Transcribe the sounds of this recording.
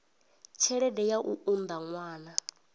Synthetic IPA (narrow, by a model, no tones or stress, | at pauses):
t͡ʃʰɛɺɛdɛjaʔuʔund̪aŋwaːna